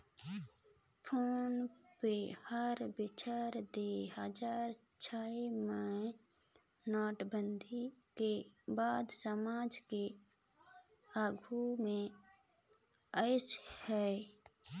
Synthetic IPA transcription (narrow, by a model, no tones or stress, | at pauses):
pʰoːnpehəɾbɪt͡ʃaːɾd̪eɦəd͡ʒaːɾ | t͡ʃʰaːemə | nɔːʈbənd̪ʱikebaːd̪səmaːd͡ʒke | aːɡʱumẽ | əɪshɛ